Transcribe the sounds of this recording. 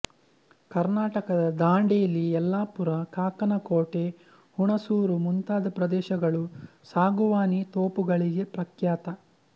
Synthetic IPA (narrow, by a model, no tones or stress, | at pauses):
kɐɾnaːʈɐkɐd̪ɐd̪aːɳɖejɐlːiɛlːaːpuɾɐkaːkɐnɐkoːʈe̞ | huɳɐsuːɾumunt̪aːd̪ɐpɾɐd̪ɛːʃɐɡɐɭusaːɡuʋaːnit̪oːpuɡɐɭiɡe̞pɾɐkjaːt̪ɐ